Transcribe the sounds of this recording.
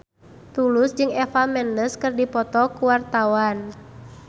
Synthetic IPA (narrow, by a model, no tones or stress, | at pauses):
t̪ulusd͡ʒɨŋɛfamɛndəskɨrdipɔt̪ɔkuwart̪awan